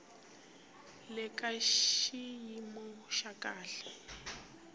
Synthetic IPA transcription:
lɪkʼaʃijimʊʃakʼaːɬḁ

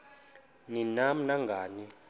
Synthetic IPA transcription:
ninam̩naŋɡʱaːni

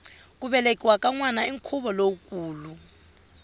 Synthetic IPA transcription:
k̬ʼuɓɛlekʼiwakʼaŋwanaiŋkʰuɓɔlokʼuːlu

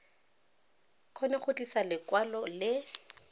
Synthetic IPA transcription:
q͡χʰɔnɛχʊtʼisalɪkwalɔlɪ

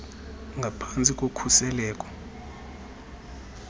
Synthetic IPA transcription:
ŋɡʱapʰant͡sʼikʼokʰusɛlɛːk̬ʼɔ̥

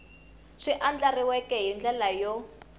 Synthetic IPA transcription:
ʂiʔand͡ɮariwɛkɛɦind͡ɮɛlajɔ

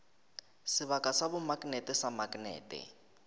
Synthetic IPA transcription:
sɪβakʼasabʊmakʼnɛtɪsamakʼnɛ̰ːtɛ̰

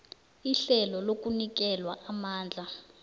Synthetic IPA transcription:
iɬɛlɔlok̬ʼunik̬ʼɛlwaamaːnd͡ɮʱa

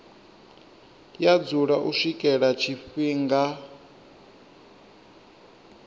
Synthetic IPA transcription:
jad͡zuɺaʔuʂikʼɛɺat͡ʃʰifiːŋɡa

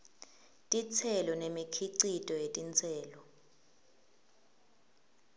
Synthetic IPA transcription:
tʼit͡sʰɛlɔnemikʰiǀitʼɔjetʼint͡sʰʼɛːlɔ

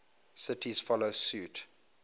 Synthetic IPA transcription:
sɪtʰizfɔlosut

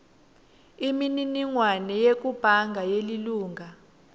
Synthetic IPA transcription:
imininiŋwanɛjek̬ub̥ʱaŋɡʱajeliluːŋʱa

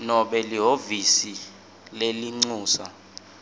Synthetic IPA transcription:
nɔɓɛliɦovisi | leliŋ͡ǀuːsa

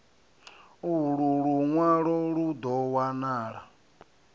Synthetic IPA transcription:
uɺuɺuŋwaɺɔɺud̪ɔwanaːɺa̰

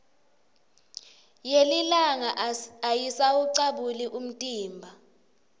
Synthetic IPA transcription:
jelilaŋaajisawuǀaɓuliʔum̩tʼiːmbʱa

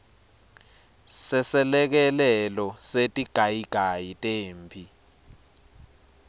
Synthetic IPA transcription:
sɛsɛlɛk̬ɛlɛlɔsetʼiɡ̥ʱajiɡ̥ʱajitʼeːmpʰi

